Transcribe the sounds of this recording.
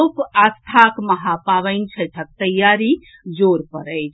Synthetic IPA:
kast̪ʰakməɦapaʋənt͡ʃʰət̪ʰək̚t̪əjːaɾi | d͡ʒoɾpəɾəjt͡ʃʰ

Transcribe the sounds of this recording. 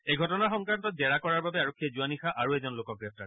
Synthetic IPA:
ejɡʱɔtɔnaxɔŋkɹantɔt̚bɛɹakɔɹaɹbabɛaɹokʰːiazuanixaʔaɹuɛzɔnlokɔk̚ɡɹɛp̚ta̰ɹ

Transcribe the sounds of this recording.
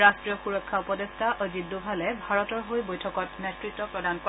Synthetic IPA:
ɹastɹijɔxuɹɔkʰːaupɔdestaʔɔzidːubʱalɛbʱaɹɔtɔɹɦojbojtʰɔkɔt̚netɹitːɔpɹɔdankɔ

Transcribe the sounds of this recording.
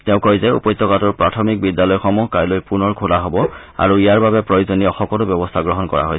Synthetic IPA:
tɛʊ̃kojzɛṵpɔjt̪ːɔkatɔɹpɹatʰɔmik̚bidjalɔjxɔmuɦkajlojpunɔɹkʰulaɦobɔ | a̰ɹuijaɹbabɛpɹojozoniɔxɔkɔtʊbjɔbɔstʰaɡɹɔɦɔnkɔɹa̰ɦoj

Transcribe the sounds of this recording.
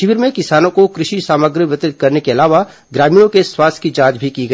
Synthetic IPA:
ʃɪʋiɾmẽkɪsaːnõkokɾɪʃisaːməɡɾəʋjɪt̪ɾɪt̪̚kɐɾnekeɐlaːʋa | ɡɾaːmiːɽ̃õkeswaːst̪ʰkid͡ʒãːd͡ʒbʱikiɡɐː

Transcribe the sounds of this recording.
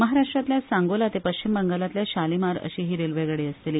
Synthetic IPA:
məɦaɾaʂʈɾat̪ljasãŋɡolat̪epəɕt͡ɕimbəŋɡalat̪ljaɕalimaɾə̰ɕiːɦiːɾelʋeɡəɽeːəst̪eliː

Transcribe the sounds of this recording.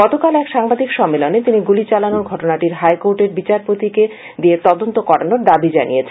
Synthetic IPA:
ɡɔt̪okalɛkʃaŋbad̪ʱikʃɔmːelonet̪iniɡulit͡ɕalanoɾɡʱɔʈonaʈiɾɦajkoɾʈeɾbit͡ɕaɾpot̪ike | d̪iet̪ɔd̪ont̪okɔɾanoɾd̪abid͡ʑanḭjet͡ɕʰ

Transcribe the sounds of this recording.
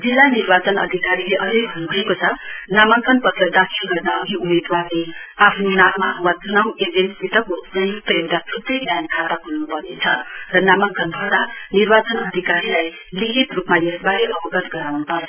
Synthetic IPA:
d͡zilːanirbat͡sʌnʌ̰d̪ʱikaɾileʔʌd͡zʌjbʱʌnubʱʌekot͡sʰʌnamʌŋkʌnpʌt̪ʌd̪akʰilɡʌrnʌʌɡʱiumed̪warneapʰnonamːawad͡zunʌwed͡zensbit̪ʌkosʌjupemt̪at̪ʰut̪ʌjnjankʰat̪akulnupʌrnet͡sʰʌrʌnamʌŋkʌnbʱʌd̪anirbat͡sʌnʌd̪ʱikaɾilaj | liɦit̪rupmajesbaɾeʔʌbʌɡʌt̪ɡʌɾawnupʌɾ

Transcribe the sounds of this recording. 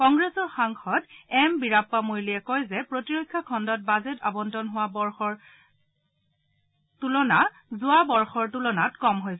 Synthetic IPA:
kɔŋɡɹɛsɔɹxaŋxʰɔtɛmbiɹapːamojliɛkɔjzɛpɹotiɹojkʰːakʰɔndɔt̚bazɛta̰bɔndʱɔnɦʊwabɔɹxɔɹ | tulɔna | zʊabɔɹxɔɹtulɔnatkɔmɦojsɛ

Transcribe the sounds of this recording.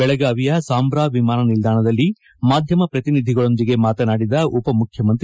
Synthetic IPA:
bɛɭɐɡaːʋijɐsaːmbɾaːʋimaːnɐnild̪aːɳɐd̪ɐlːi | maːd̪ʱjɐmɐpɾɐt̪inid̪ʱiɡɐɭo̞nd̪iɡe̞maːt̪ɐnaːɽid̪ɐupɐmukʰjɐmɐnt̪ɾi

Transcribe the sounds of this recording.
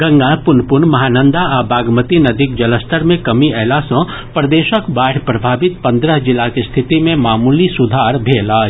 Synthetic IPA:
ɡɐ̃ŋɡapʊnpʊɾɳmɐɦaːnə̃nd̪aabaːɡmət̪inɐd̪ʱɪk̚d͡ʒɐləsʈəɾmẽkɐmiɛːlasɔ̃ | pɾɐd̪eːʃəkbaːɽ̤ʰpɾɐbʱaːbɪt̪̚pɐ̃nd̪ɾəɦd͡ʒɪlakist̪ʰɪt̪imẽmaːmulisʊd̪ʱaːɾbʱeːlaː

